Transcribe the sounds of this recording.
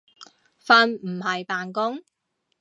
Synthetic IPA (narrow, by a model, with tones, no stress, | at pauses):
faː˧nm̩˨˩hɐ˨jpaː˨nkʊ˥ŋ